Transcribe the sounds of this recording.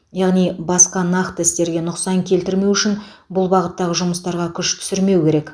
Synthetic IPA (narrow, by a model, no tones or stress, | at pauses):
jɑʁnijbɑsqɑnɑqt̪əɪst̪e̞ɾɡʲe̞nʊqsɑŋkʲʰe̞lt̪ɪɾme̞wʏʃɪn | bʊlˠbɑʁət̪ːɑʁəʒʊməst̪ɑɾʁɑkʲʰʏʃt̪ʰʏ̥sɪɾme̞wkʲʰe̞ɾe̞k